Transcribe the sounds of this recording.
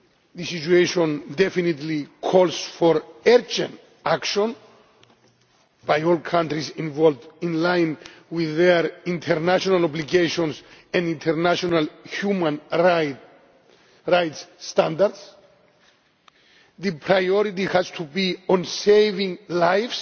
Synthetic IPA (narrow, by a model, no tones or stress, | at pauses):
ðisit͡ʃueʃõndefinit̪likʰɔlsfoɾɛɾd͡ʒãnt | akʃõn | b̥ajolkʰãntɾisĩnvɔldĩnlãjnwiðeɾĩntʰɛɾnaʃonalobliɡejʃõnsɛ̃ndĩnt̪ʰɛɾnaʃonalhumãn | ɾajtsːt̪ãnd̪aɾds | ðɨpʰɾajɔɾitihast̪ʰubiõnsejvĩŋlajfs